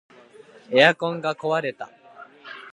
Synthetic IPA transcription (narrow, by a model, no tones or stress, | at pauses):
ejakõŋɡako̞βaɾe̞t̪a̰